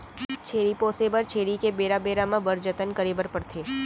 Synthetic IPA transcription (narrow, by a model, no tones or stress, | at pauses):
t͡ʃʰeːɾipoːseːbəɾt͡ʃʰeːɾikebeːɾabeːɾamãbəɾd͡ʒət̪ənkəɾiːbəɾpəɾt̪ʰeː